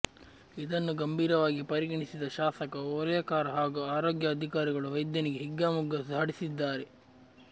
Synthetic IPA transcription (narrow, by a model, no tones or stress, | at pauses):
id̪ɐnːuɡɐmbʱiːɾɐʋaːɡipɐɾiɡɐɳisid̪ɐʃaːsɐkɐoːɾɐjɐkaːɾɐɦaːɡuaːɾoːɡjɐːd̪ʱikaːɾiɡɐɭuʋɐjd̪jɐniɡeɦiɡːaːmuɡɐsaːɽisid̪ːaːɾe